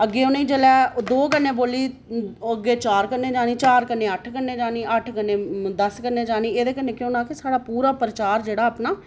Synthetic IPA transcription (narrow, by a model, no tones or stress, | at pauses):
əɡːeːonẽiːd͡ʒəlɛːd̪oːkənːeːboːliː | əɡeːt͡ʃaːɾkəɾneːd͡ʒaːniːt͡ʃaːɾkənːeːəʈʰkəɾneːd͡ʒaːniːəʈʰkənːeːd̪əskəɾneːd͡ʒaːniːeːd̪eːkənːeːkjõːnaːkesaːɽaːpuːɾaːpɾət͡ʃaːɾd͡ʒeːɽaːəpnaː